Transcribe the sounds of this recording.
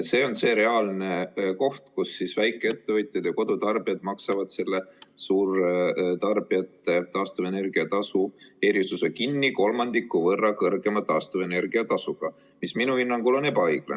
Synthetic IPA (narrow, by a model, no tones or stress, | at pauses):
t̪se̞ːo̞nse̞ːɾe̞ɑlne̞ko̞ht̪kusːisvæjkːˑee̞t̪ːe̞vɤjt̪ʲˑjɑd̪̥jɑko̞d̪̥ut̪ɑrb̥ijɑd̪̥mɑksɑvɑd̪̥se̞lːesuːrt̪ɑrb̥iɑt̪ːˑet̪ɑːst̪uve̞ne̞rɡ̥iɑt̪ɑsue̞ɾisusekinːiko̞lmɑnd̪̥ikːˑuvɤrːɑkɤrɡ̥e̞mɑt̪ɑːst̪uve̞ne̞rɡ̥iɑt̪ɑsuɡ̥ɑ | misminuinːɑŋkulo̞ne̞bɑɤjɡ̥le